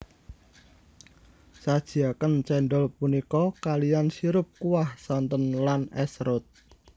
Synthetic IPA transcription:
sad̥ʒ̥iakənt͡ʃɛnɖɔlpunikɔkalijansiɾʊp̚kuwahsɔnt̪ɔnlanɛsɾʊt̪̚

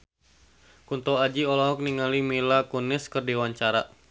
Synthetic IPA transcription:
kunt̪ɔad͡ʒiɔlɔɦɔk̚niŋalimilakunɪskərdiwaɲt͡ʃaɾa

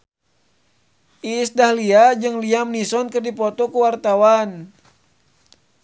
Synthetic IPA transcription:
ʔisdahliad͡ʒɨŋliamnisɔnkərdipɔt̪ɔkuwart̪awan

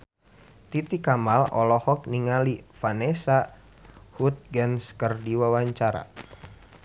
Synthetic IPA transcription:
t̪it̪ikamalɔ̰lɔhɔk̚niŋalifanɛsa | hut̪̚ɡanskərdiwawaɲt͡ʃaɾa̰

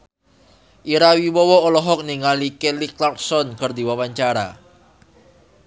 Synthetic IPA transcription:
ʔiɾawiwɔwɔolɔɦɔk̚niŋalikeliklart̪̚sɔnkərd̪i̤wawaɲt͡ʃaɾa̰

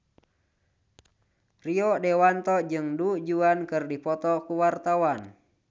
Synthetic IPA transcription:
riɔdɛwant̪ɔd͡ʒɨŋdud͡ʒuankɨrdipɔt̪ɔkuwart̪awan

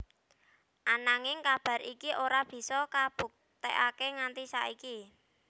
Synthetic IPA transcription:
ʔanaŋɪŋkab̥ä̤ɾikiʔoɾab̥i̤sɔkab̥ṳk̚t̪eʔakeŋant̪isa̰ʔiki

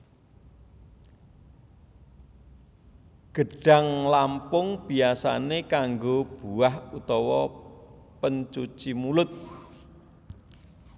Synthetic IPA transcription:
ɡ̥əɖ̥a̤ŋlampʊŋb̥iasa̰nekaŋɡob̥uahut̪ɔwɔ | pənt͡ʃut͡ʃimulʊt̪̚

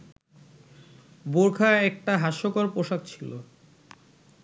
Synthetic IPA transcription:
boɾkʰaɛk̚ʈaɦaʃokoɾpoʃak̚t͡ɕʰilo

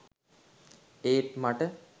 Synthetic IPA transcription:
eːt̪maʈə

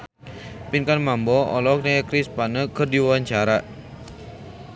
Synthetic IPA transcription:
pinkanmambɔɔ̰lɔk̚nəkɾispanəkərdiwawaɲt͡ʃaɾa

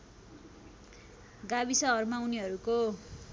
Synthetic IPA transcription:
ɡabisʌɦʌrmawniɦʌɾuko

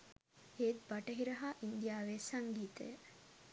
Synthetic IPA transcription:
eːt̪baʈəɦiɾɐɦaːʔind̪ijaːʋeːsaŋɡiːt̪ə̰jə

